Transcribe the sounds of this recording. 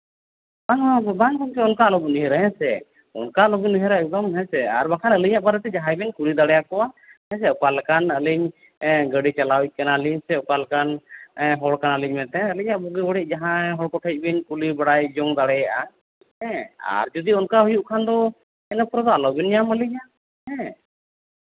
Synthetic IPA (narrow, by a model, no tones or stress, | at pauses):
baŋbaŋkɔnkɛɔnkalɔbuniɦɛɾɦɛ̃sɛ̰ | ɔ̰nkalɔɡiniɦɛɾaɛk̚d̪ɔmɦɛ̃sɛaɾbakʰanəliɲaʔbaɾɛt̪ɛd͡ʒaɦãjbɛɲkulid̪aɽɛjakɔwahɛ̃s̬ɛɔkalakanəliɲ | ɡəɽit͡ʃalawic̚ˀkanaliɲsɛɔkalkanɦɔɽkanaliɲmɛt̪ɛ̃əliɲaʔbɔɡibɔɽɛc̚ˀd͡ʒaɦãɦɔɽkɔʈʰəc̚ˀbiɲkulibaɽajd͡ʒɔŋd̪aɽɛjaʔa | hɛ̃a̰ɾd͡ʒɔd̪iɔnkaɦujuʔkʰand̪ɔ | ɛnəpɾɔd̪ɔalɔbinjaməliɲaʔ | hɛ̃